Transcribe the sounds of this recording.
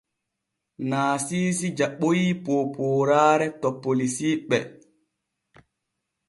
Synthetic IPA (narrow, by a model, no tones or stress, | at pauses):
naːsiːs̬id͡ʒaɓojipoːpʰoːɾaːɾɛtɔpːolisiːɓɛ